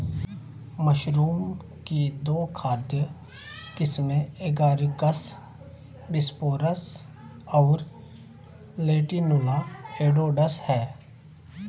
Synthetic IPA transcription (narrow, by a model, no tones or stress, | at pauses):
məʃɾuːm | kid̪oːkʰaːd̪jə | kɪsmẽeːɡaːɾikəs | bɪspoːɾəs | ɔːɾ | leːʈinʊlaeːɖoːɖəshɛː